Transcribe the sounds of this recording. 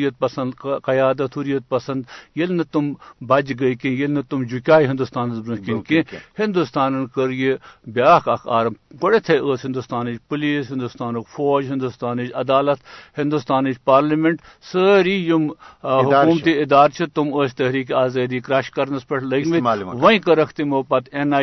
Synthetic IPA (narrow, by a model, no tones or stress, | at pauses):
jɐt̪̚pɐsɐnd̪kɐjaːd̪ɐt̪ʰhuɾijɐt̪̚pɐsɐnd̪jelnɐt̪umbɐd͡ʒɡɐikĩjelnɐt̪umd͡ʒukʲaːiɦɪnd̪ust̪aːnɐzbɾɐkʲinkẽhɪnd̪ust̪aːnɐnkəɾjebʲaːkɐkʰaːɾɐmɡoɽet̪ʰeʔəːsɦɪnd̪ust̪aːnit͡ʃpuliːsɦɪ̃nd̪ust̪aːnokfoːd͡ʒɦɪ̃nd̪ust̪aːnit͡ʃɐd̪aːlɐt̪hɪ̃nd̪ust̪aːnit͡ʃpaːɾlimeɳʈsəɾiːjumɦʊkːuːmt̪iɪd̪aːɾt͡ʃʰɐt̪umoːst̪ɐɦɾiːk̬iaːzɐːd̪iːkɾɐʃkɐɾnɐspɐʈʰlɐɡmiʋɐĩkɐɾɐkʰt̪imoːpɐt̪enaː